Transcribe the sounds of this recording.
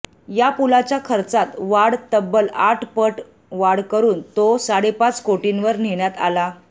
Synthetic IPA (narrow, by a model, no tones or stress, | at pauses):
japulat͡ɕjakʰəɾt͡sat̪ʋaɽt̪əbːəlaʈʰpəʈ | ʋaɽkəɾuːnt̪osaɽepat͡skoʈinʋəɾneɳjat̪a̰la